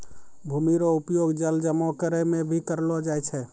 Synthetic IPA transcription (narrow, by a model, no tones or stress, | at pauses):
bʱuːmiɾoʊpjoːɡd͡ʒəld͡ʒəmɔkəɾəmẽbʱikəɾlod͡ʒaɛt͡ʃʰɛ